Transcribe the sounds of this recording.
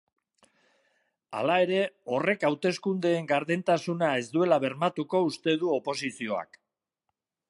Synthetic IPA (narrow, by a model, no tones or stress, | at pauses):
a̰lae̞ɾe̞o̞re̞kawt̪e̞skund̪e̞ːŋɡaɾðent̪asunae̞zd̪ue̞laβ̞e̞ɾmat̪uko̞ust̪e̞ðuo̞po̞sisio̞a̰k